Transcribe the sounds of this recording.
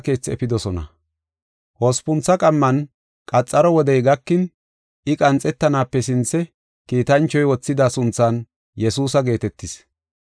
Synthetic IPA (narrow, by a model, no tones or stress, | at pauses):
ke̞ːt͡sːɛfɪd̪ɔsɔnɐ̰ | hoːspʊnt͡sːɐkʼɐmːɐn | kʼɐt͡sʼːɐɾɔwɔd̪ɛjɡɐkːɪn | ɪkʼɐnt͡sʼːɛt̪ːɐnaːpːɛsɪnt͡sːɛ | kiːt̪ɐnt͡ʃːɔjwɔt͡sːɪd̪aːsʊnt͡sːaːn | jɛsuːsɐɡe̞ːt̪ɛt̪ːɪs